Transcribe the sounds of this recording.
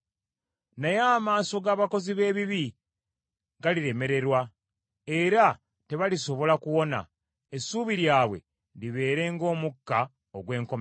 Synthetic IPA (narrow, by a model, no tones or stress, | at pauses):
najaːmaːso̞ɡaːβako̞ziβe̞ːβiβi | ɡaliɾe̞me̞ɾe̞ɾwa | e̞ɾa | te̞βaliso̞βo̞lakuwo̞na̰ | esuːβiɾjaːβwe̞̰ | liβe̞ːɾe̞ːŋɡo̞ːmukːa | oɡwe̞ːŋko̞m